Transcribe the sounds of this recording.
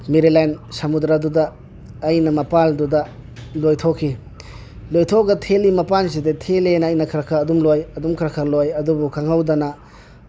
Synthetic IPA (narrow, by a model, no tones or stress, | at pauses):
meɾilajnsɐmud̪ɾadudɐː | jnɐmɐpaldudɐ | lojtʰɔkʰːi | lojtʰɔɡɐtʰelimɐpans̬idetʰelenːjnɐkʰɾɐkʰaːdumlojɐdumkʰɾɐkʰalojɐdubukʰaŋawdɐnɐ